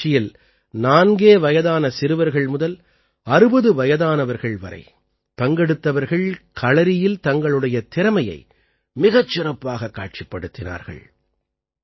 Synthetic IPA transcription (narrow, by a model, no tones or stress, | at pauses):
ɪjɪl | naːnɡeːʋɐjɐðaːnɐsɪɾɯʋɐɾɣɐɭmʊðɐl | ɐɾɯbɐðɯʋɐjɐðaːnɐʋɐɾɣɐɭʋɐ̰ɾɐ̰ɪ | pɐŋɡɛɽɯt̪ːɐʋɐɾɣɐɭkʰɐɭɐɾɪjɪlt̪ɐŋɡɐɭɯɽɐjɐt̪ɪɾɐmɐjɐ̰ɪ | mɪɣɐt͡ʃːɪrɐpːaːɣɐkːa̰ːʈ̚t͡ʃɪpːɐɽɯt̪ːɪna̰ːɾɣɐ̰ɭ